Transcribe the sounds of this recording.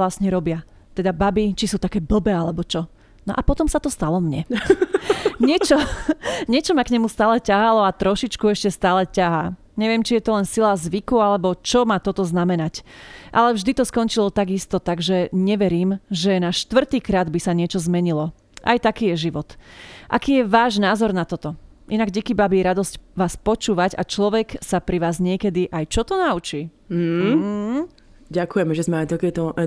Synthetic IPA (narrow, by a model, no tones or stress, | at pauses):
lasɲɛɾɔbɪa | t̪ɛd̪ababit͡ʃisuːt̪akɛːbl̩bɛalɛbɔt͡ʃɔ | nɔʔapɔt̪ɔmsat̪ɔst̪alɔmɲɛ | ɲɪɛt͡ʃɔɲɪɛt͡ʃɔmakɲɛmust̪aːlɛcaɦalɔat̪ɾɔʃit͡ʃkuɛʃcɛst̪aːlɛcaɦaː | ɲɛʋɪɛmt͡ʃijɛt̪ɔlɛnsilazʋikualɛbɔt͡ʃɔmaːt̪ɔt̪ɔznamɛnacʔa̰lɛvʒd̪it̪ɔskɔnt͡ʃilɔt̪aɡist̪ɔt̪aɡʒɛɲɛʋɛɾiːmʒɛnaʃt̪ʋr̩t̪iːkɾaːd̪bisaɲɪɛt͡ʃɔzmɛɲilɔ | ʔa̰jt̪akiːjɛʒiʋɔt̪ʔa̰kiːjɛʋaːʒnaːzɔɾnat̪ɔt̪ɔ | ʔinaɡɟikibabiɾad̪ɔscʋaːspɔt͡ʃuːʋaɟa̰t͡ʃlɔʋɛksapɾiʋaːzɲɪɛkɛd̪iʔajt͡ʃɔt̪ɔnaut͡ʃiː | ɟakujɛmɛʒɛzmɛajt̪akɛt̪ɔ